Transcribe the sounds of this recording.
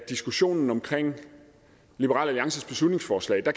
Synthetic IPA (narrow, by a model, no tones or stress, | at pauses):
d̥isɡ̥uɕo̝̰ːnn̩ɒ̽mkʰʁeŋ̰ | lib̥əʁɑ̰̈læliɑ̈ŋsəsb̥e̝slud̥ne̝ŋsfɒːslɛ̰ɪd̥ɑ̈